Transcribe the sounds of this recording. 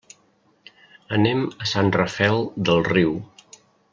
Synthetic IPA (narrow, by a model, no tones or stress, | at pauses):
ənɛməsanrəfɛlˠd̪əlˠriw